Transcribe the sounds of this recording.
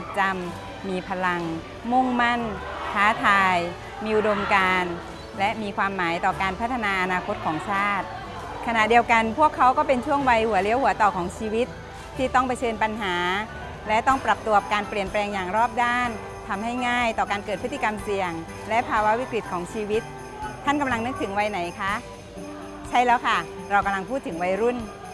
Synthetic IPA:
t͡ɕa˧mː | iː˧pʰa˧la˧ŋ | mu˥˩ŋma˥˩n | kʰaː˦˥t̪ʰaː˧j | miː˧ʔu˨˩do˧mkaː˧n | lɛ˦˥ʔmiː˧kʰwaː˧mːaː˩˦jt̪ɔː˨˩kaː˧npʰa˦˥t̪ʰːa˧naː˧ʔa˧naː˧kʰo˦˥t̪̚kʰɔː˩˦ŋsʰaː˥˩t̪̚ | kʰa˧na˨˩ʔdi˧ə˧wka˧npʰu˥˩əkʰːa˦˥wkɔː˥˩pe˧nt͡ɕʰu˥˩əŋwa˧jhu˩˦ɐli˦˥əwhu˨˩˦ɐt̪ɔː˨˩kʰɔː˩˦ŋt͡ɕʰiː˧wi˦˥t̪̚ʰː | iː˥˩t̪ɔ˥˩ŋpa˧jt͡ɕʰɤː˧npa˧nɦaː˩˦ | lɛ˦˥t̪ɔ˥˩ŋpɾa˨˩p̚t̪u˧˩əp̚kaː˧npli˨˩ənplɛː˧ŋjaː˨˩ŋɾɔː˥˩p̚daː˥˩n | t̪ʰa˧mha˥˩jŋaː˥˩jt̪ɔː˨˩kaː˧nkɤː˨˩t̪̚pɯ˦˥t̪ʰːi˨ka˧msi˨˩əŋ | lɛ˦˥pʰaː˧wa˦˥wi˦˥kɾi˨˩t̪̚kʰɔː˩˦ŋt͡ɕʰiː˧wi˦˥t̪̚ʰː | a˥˩nka˧mla˧ŋnɯ˦˥k̚t̪ʰɯ˩˦ŋwa˧jna˩˦jkʰa˦˥ʔ | t͡ɕʰa˥˩jlɛː˦˥wkʰa˥˩ | ɾa˧wka˧mla˧ŋpʰuː˥˩t̪ʰːɯ˩˦ŋwa˧jɾu˥˩n

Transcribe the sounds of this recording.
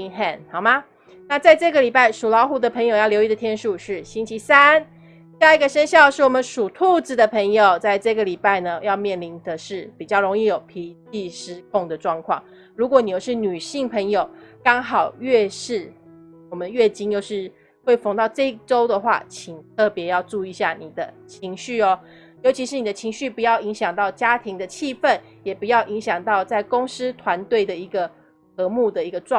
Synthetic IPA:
xɛ˥˩nhɑ˨˩ʊma˦ | na˥˧t͡sa˥˧ɪʈ͡ʂɤ˥˩ɡə˨li˨˩pa˥˩ɪʂu˨˩lɑ˧˥ʊxu˧˥d̪ə˨pʰə˧˥ŋjo˨ʊjɑ˥˩ljo˧˥ʊi˧˥d̪ə˨t̪ʰjɛ˥nʂu˥˧ʂɻ̩˥˩ɕi˥nt͡ɕʰi˧˥sa˦˥n | sa˥˧i˥ɡə˨˩ʂə˥nɕjɑ˥˧ʊʂɻ̩˥˩wɔ˨˩mə˦nʂu˨˩t̪ʰu˥˧t͡s̩˨˩d̪ə˩pʰə˧˥ŋjo˨˩ʊt͡sa˥˧ɪʈ͡ʂɤ˥˩ɡə˨li˨˩pa˥˩ɪnə˩jɑ˥˧ʊmjɛ˥˩nli˧˥nd̪ə˨ʂɻ̩˥˩pi˨˩t͡ɕjɑ˥˩ɻo˧˥ŋi˥˨jo˨˩ʊpʰi˧˥t͡ɕi˥˧ʂɻ̩˥kʰʊ˥˩ŋd̪ə˩ʈ͡ʂwɑ˥˧ŋkʰwɑ̰˥˩ŋ | ɻu˧˥kwɔ˧˦ni˨˩jo˥˧ʂ̩˥˩ny˨˩ɕi˥˩ŋpʰə˧˥ŋjo˨˩ʊkɑ˥ŋɦɑ˨˩ʊɥɛ˥˧ʂɻ̩˥˩ | wɔ˨˩mə˦nɥɛ˥˩t͡ɕi˥njo˥˧ʊʂɻ̩˥˩ | xwe˥˩ɪfɑ˧˥ŋt̪ɑ˥˧ʊʈ͡ʂɤ˥˧i˥ʈ͡ʂo˥ʊd̪ə˨xwa̰˥˩t͡ɕʰi˨˩ŋt̪ʰɤ˥˩pjɛ˧˥jɑ˥˧ʊʈ͡ʂu˥˧i˧ɕja˥˩ni˨˩d̪ə˦t͡ɕʰi˧˥ŋɕy˥˩ɔ˦ | jo˧˥ʊt͡ɕʰi˧˥ʂɻ̩˧˥ni˨˩d̪ə˦t͡ɕʰi˧˥ŋɕy˥˩pu˧˦jɑ˥˩ʊi˧˥ŋɕjɑ˨˩ŋt̪ɑ˥˩ʊt͡ɕja˥t̪ʰi˧˥ŋd̪ə˧t͡ɕʰi˥˧fə˥˨˩n | jɛ˨˩pu˧˦jɑ˥˩ʊʔi˧˥ŋɕjɑ˨˩ŋt̪ɑ˥˧ʊt͡sa˥˩ɪko˥ŋs̩˥t̪ʰwa˧˥nt̪we˥˩ɪd̪ə˩i˧˥ɡə˨ | xɤ˧˥mu˥˩d̪ə˩i˧˥ɡə˧ʈ͡ʂw

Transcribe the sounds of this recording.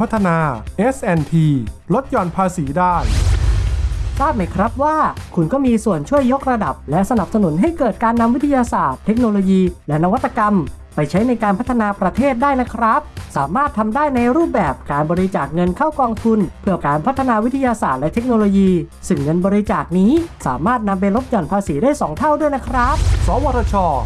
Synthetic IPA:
a˦˥t̪ʰːa˧naː˧ʔe˦˥sʔɛ˧nt̪ʰiː˧lo˦˥t̪̚t͡ɕɔː˧npʰaː˧siː˩˦daː˥˩j | saː˥˩t̪̚ma˦˥˩jkʰɾa˦˥p̪̚waː˥˩kʰu˧nkɔː˥˩miː˧su˨˩ənt͡ɕʰu˥˩əjːo˦˥k̚ɾa˧da˨˩p̚lɛ˦˥ʔsa˧na˨˩p̚sa˧nu˩˦nɦa˥˩jkɤː˨˩t̪̚kaː˧nːa˧mwːi˦˥t̪ʰːa˧jaː˧saː˨˩t̪ʰːe˦˥k̚noː˧loː˧jiː˧lɛ˦˥na˧wa˦˥t̪̚ʰːa˧ka˧m | pa˧jt͡ɕʰa˦˥jna˧jkaː˧npʰt̪ʰːa˧naː˧pɾa˧t̪ʰeː˥˩t̪̚daː˥˩jna˦˥kʰɾa˦˥p̚sa̰ː˩˦maː˥˩t̪ʰːa˧mdaː˥˩jna˧jɾuː˥˩p̚bɛː˨˩p̚kaː˧nbɔː˧ɾi˧t͡ɕaː˨˩k̚ŋɤ˧nkʰaː˥˩wkɔː˧ŋt̪ʰu˧npʰɯ˥˩əkaː˧npʰa˦˥t̪ʰːa˧naː˧wi˦˥t̪ʰa˧jaː˧saː˨˩t̪̚lɛ˦˥t̪ʰe˦˥k̚noː˧loː˧jiː˧sɯ˧˩ŋːɤ˧nbɔː˧ɾi˧˥t͡ɕaː˨˩k̚niː˦˥sa̰ː˩˦maː˥˩t̪̚na˧mpa˧jɾo˦˥p̚jɔ˨˩npʰaː˧siː˩˦daː˥˩jsɔː˩˦ŋt̪ʰa˥˩wdu˥˩əjna˦˥kʰɾa˦˥p̚sɔː˩˦wɔː˧ɾaː˧t͡ɕʰɔː˧

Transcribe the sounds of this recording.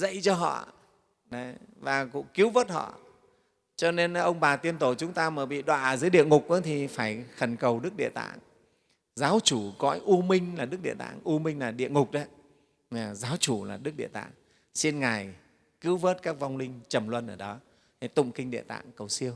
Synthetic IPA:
zə̰˧˨jt͡ɕɔ˧ɦɔ̰˧˨ | ɗə˨˦vaː˨˩kʊ̰˧˥ŋ͡mki˨˦əwvəː˦˥t̚hɔ̰˧˨ | t͡ɕɔ˧ne˧n˧ʔə˧wŋ͡mɓaː˨˩t̪i˧ənt̪o˧˩t͡ɕʊ˨˦ŋ͡mt̪aː˧məː˨˩jɓḭ˧˨ɗwa̰ː˧˨zɨː˨˦jɗḭ˧˨əŋʊ˨˩k͡p̚ʔa˨˦t̪ʰi˨˩faː˧˩jxə˨˧˩nkə˨˩wɗɨ˦˥k̚ɗḭ˧˨t̪a̰ː˧˨ŋ | zaː˨˦wt͡ɕu˧˩kɔ˧˥jʔu˧mï˧ŋ̟laː˨˩ɗɨ˦˥k̚ɗḭ˧˨t̪a̰ː˧˨ŋʔu˧mï˧ŋlaː˨˩ɗḭ˧˨əŋʊ˨˩k͡p̚ɗə˨˦ | aː˨˩zaː˨˦wt͡ɕu˧˩laː˨˩ɗɨ˦˥k̚ɗḭ˧˨t̪a̰ː˧˨ŋ | si˧nŋa˨˩j | ki˨˦wvəː˦˥t̚kaː˦˥k̚va˧wŋ͡mlï˧ŋ̟t͡ɕə˨˩mlwə˧nʔəː˧˩ɗɔ˨˦˨ | t̪ʊ̰˧˨ŋ͡mkï˧ŋ̟ɗḛ˧˨t̪a̰ː˧˨ŋkə˨˩wsi˧əw

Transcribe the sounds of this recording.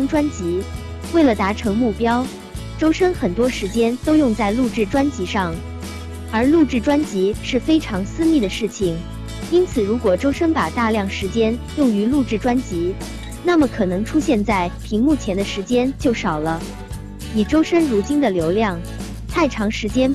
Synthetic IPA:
ŋʈ͡ʂwa˥nt͡ɕi˧˥ | we˥˩ɪlə˩t̪a˧˥ʈ͡ʂʰɤ˧˥ŋmu˥˩pjɑ˥ʊ | ʈ͡ʂo˥ʊʂə˥ŋxə˨˩nt̪wɔ˥ʂɻ̩˧˥t͡ɕjɛ˥nt̪o˥ʊjʊ˥˧ŋt͡sa˥˧ɪlu˥˧ʈ͡ʂɻ̩˥˩ʈ͡ʂwa˥nt͡ɕi˧˥ʂɑ˥˩ŋ | ə˞˧˥lu˥˧ʈ͡ʂɻ̩˥˩ʈ͡ʂwa˥nt͡ɕi˧˥ʂɻ̩˥˩fe˥ɪʈ͡ʂʰɑ˧˥ŋsɹ̩˥mi˥˩d̪ə˩ʂɻ̩˥˩t͡ɕʰi˩ŋ | i˥nt͡sʰɹ̩˨˩ɻu˧˥kwɔ˨˩ʈ͡ʂo˥ʊʂə˥npa˨˩t̪a˥˧ljɑ˥˩ŋʂɻ̩˧˥t͡ɕjɛ˥njʊ˥˩ŋy˧˥lu˥˧ʈ͡ʂɻ̩˥˩ʈ͡ʂwa˥nt͡ɕi˧˥ | na˥˩mə˩kʰɤ˨˩nɤ˧˥ŋʈ͡ʂʰu˥ɕjɛ˥˧nt͡sa˥˩ɪpʰi˧˥ŋmu˥˩t͡ɕʰjɛ˧˥nd̪ə˧ʂɻ̩˧˥t͡ɕjɛ˥nt͡ɕjo˥˩ʊʂɑ˨˩ʊlə˦ | i˨˩ʈ͡ʂo˥ʊʂə˥ŋɻu˧˥t͡ɕi˥nd̪ə˨ljo˧˥ʊljɑ˥˩ŋ | t̪ʰa˥˩ɪʈ͡ʂʰɑ˧˥ŋʂɻ̩˧˥t͡ɕjɛ˥n

